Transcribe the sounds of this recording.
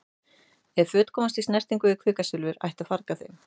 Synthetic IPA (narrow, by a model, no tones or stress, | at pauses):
ɛɾfʏːt̪kʰɔːmast̪istnɛr̥t̪iŋkʏɪkʰvɪːkasʏlvʏɾa̰jht̪aðfaɾkaθejm